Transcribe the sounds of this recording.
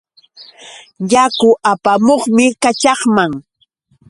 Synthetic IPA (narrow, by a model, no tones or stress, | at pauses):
jakʊʔapamoχmɪkat͡ʃɑχmaŋ